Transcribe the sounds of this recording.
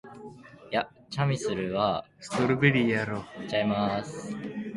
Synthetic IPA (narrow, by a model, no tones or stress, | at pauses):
ja | t͡ɕamʲisɨɾɯ̟βasɨ̥t̪oɾɯ̟beɾʲijaɾot͡ɕaimasɨ̥